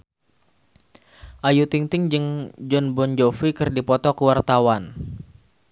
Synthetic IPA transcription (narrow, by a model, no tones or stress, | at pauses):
ʔajut̪iŋt̪ɪŋd͡ʒɨŋd͡ʒɔnbɔnd͡ʒɔfikɨrdipɔt̪ɔkəwart̪awan